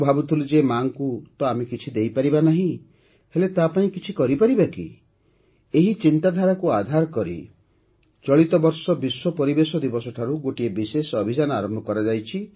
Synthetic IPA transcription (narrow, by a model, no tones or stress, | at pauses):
bʱabut̪ʰulud͡ʒemaŋkut̪ɔamekit͡ʃʰid̪ejpaɾibanaɦĩ | helet̪apaĩkit͡ʃʰikɔɾipaɾibakḭ | eɦit͡ʃint̪ad̪ʱaɾakuad̪ʱaɾkɔɾḭ | t͡ʃɔɭit̪ɔbɔɾsɔbiswɔpɔɾibesɔd̪ibɔsɔʈʰaɾuɡoʈiebisesɔbʱid͡ʒanɔaɾɔmbʱɔkɔɾad͡ʒajt͡ʃʰi